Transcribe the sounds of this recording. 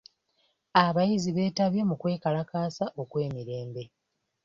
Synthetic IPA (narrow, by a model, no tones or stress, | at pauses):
aβajiziβe̞ːtaβje̞mukwe̞ːkalakaːsaʔo̞kwe̞ːmiɾe̞ːmbe̞